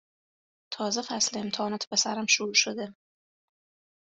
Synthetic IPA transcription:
t̪ʰɒːzefæsleemt̪ʰɛːnɒːt̪ʰe̥pʰesæɾæmʃuɾuʃod̪e

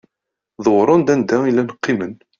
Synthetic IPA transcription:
ðˤəwɾˤʊnd̪ænd̪æilːænəqːimən

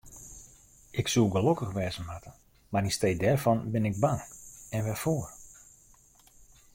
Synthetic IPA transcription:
ɪksulˠɡəlokəxʋɛːzənmatə | marnisteːdɛrvɔnbɪnɪɡ̚baŋɛnʋɛfoːər

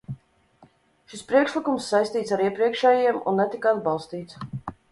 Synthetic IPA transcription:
ʃispɾiɛkʃlikumsːajst̪iːt̪saɾiɛpɾiɛkʃɛːjiɛmṵnːɛt̪ikad̪̚bɑlˠst̪iːt̪s

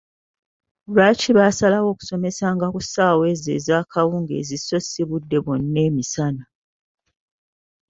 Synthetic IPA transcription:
laciβaːsalawo̞ːku̥so̞me̞saːŋɡakusaːwe̞ːzḛːzaːkʰawuːŋɡe̞̰ːziso̞siβudːe̞βonːe̞ːmisana

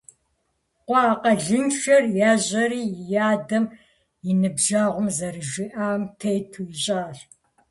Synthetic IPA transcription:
qʷɑːqɐɮɨnʃɐrjaːʑɐɾiːjaːdɐm | jɪnɨbʒaːʁʷʊmzɐɾɨʒɪʔaːmtʰejtʰuːɪɕʼaːɬ

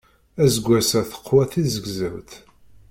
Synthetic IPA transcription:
æzəɡʷæsæθə̥qːwæθizəɡzəwt̪

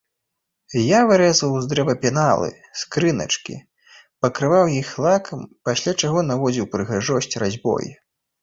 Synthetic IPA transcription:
javɨɾɛzvɐwzd̪ɾɛvɐpʲɛnalˠɨ̰ | skɾɨnɐ̰t͡ʂkʲḭ | pɐkɾɨvawjixlˠakɐmpasʲlʲat͡ʂaɣɔnavɔd͡zʲiwpɾɨɣaʐɔɕʲt͡sʲrazʲbɔ̰jḭ

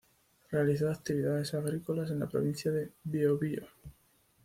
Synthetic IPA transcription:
re̞aliθoak̚t̪iβiðaðe̞saɣɾikolase̞nlapɾo̰βĩn̟θjaðe̞βioβio̰

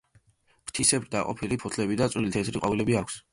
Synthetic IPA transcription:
pt̪ʰisɛbɾd̪aqʼɔ̰pʰilipʰut̪ʰlɛbid̪at̪sʼwlilit̪ʰɛsɾiqʼɔvilɛbiakʰs

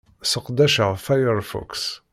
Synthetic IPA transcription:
səqd̪æʃəʁfajəɾfɔ̰ks

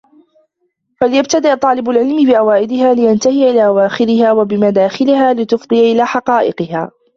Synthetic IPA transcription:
falɪjab̚t̪ad̪ɪʔt̪ˤːɑːlɪbʊlʕɪlmɪbɪʔawaːʔɪd̪ɪhaːlɪjant̪ahɪjaʔɪlaːʔawaːxɪɾɪhaːwabɪmad̪aːxɪlɪɦaːlɪt̪ʊfd̪ˤɨjaʔɪlaːħɑqɑːʔɪ̰qɨhaː

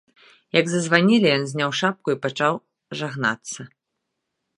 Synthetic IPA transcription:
jɐɡzɐzvanʲilʲijɔnzʲnʲawʂap̚kuipat͡ʂaw | ʐaɣna̰t̪sːɐ

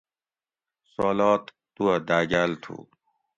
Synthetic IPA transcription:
soːlaːt̪ːuɐd̪aːɡaːlt̪ʰṵː

